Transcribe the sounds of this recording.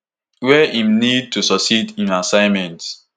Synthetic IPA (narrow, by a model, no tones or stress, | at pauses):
wɛʔĩmnid̚tʰusɔksidĩnasãɪ̃nmɛ̃nt